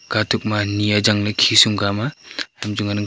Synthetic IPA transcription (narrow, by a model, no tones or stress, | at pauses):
ɡ̥atʰuk̚manijad͡ʒaŋlajkʰisumɡamaamd͡ʒuŋanɯŋ